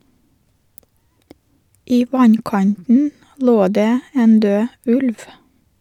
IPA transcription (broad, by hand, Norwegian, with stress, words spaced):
ˈiː ˈʋɑnˌkɑntn̩ ˈloː ˈdeː ˈeːn ˈdøː ˈʉlʋ